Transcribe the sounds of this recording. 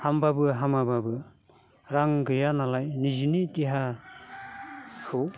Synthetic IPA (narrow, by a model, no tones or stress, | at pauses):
hambabɯɦamababɯ | ɾaŋɡɯjanalajnizinitiɦa | kʰɯw